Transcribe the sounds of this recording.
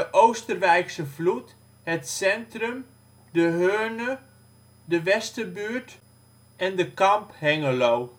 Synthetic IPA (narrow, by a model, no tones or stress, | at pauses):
əʔowstərʋɛjksəvlut | hətsɛntrəm | dəɦøːnə | dəʋɛstəbyːɹt | ɛndəkɑmphɛŋəlow